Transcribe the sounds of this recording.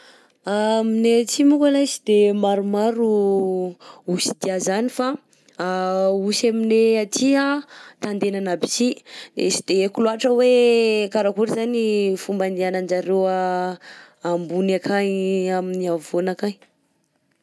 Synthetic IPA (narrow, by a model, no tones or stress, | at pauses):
aminet͡simukalajsi̥d̪emaɾumaɾu | usid̪iazanifa | ausamineat̪ʰiat̪and̪enanabi̥sid̪esi̥d̪̥ekuluaʈ͡ʂəwekaɾakuɾizanifumbanianand͡ʒaɾewa | ambunakajaminiavonakaj